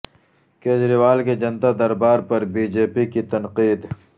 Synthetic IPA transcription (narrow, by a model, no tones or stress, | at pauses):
keːd͡ʒɾiwaːlked͡ʒɐnt̪ad̪ɐɾbaːɾpɐɾbiːd͡ʒeːpikit̪ɐnqiːd̪